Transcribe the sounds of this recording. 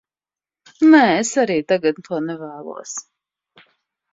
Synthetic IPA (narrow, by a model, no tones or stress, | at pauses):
nɛːesaɾiːt̪aɡat̪̚nt̪uɔnɛvæːlˠṵɔs